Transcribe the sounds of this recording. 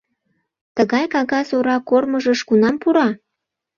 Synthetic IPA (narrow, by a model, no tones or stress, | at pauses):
t̪əɣɑjkɑɣɑsoɾɑkorməʒəʃkunɑmpuɾɑ